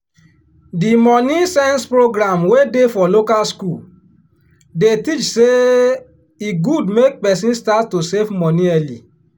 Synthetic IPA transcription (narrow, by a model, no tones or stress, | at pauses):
dimɔ̃nĩsɛ̃nspɾoɡɾãmwedefɔlokalskul | detit͡ʃse | iɡudmek̚pɛsĩnstattːosevmɔ̃nĩɛlḭ